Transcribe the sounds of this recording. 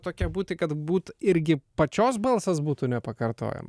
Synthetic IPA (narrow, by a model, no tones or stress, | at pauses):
t̪oːkʲiɛbuːt̪ʲɪkɐt̪buːt̪ɪɾʲɡʲɪpɐt͡ʃʲoːsbɐlˠsɐsbuːt̪uːnʲɛpɐkɐrt̪o̰ːjɛ̰mɐ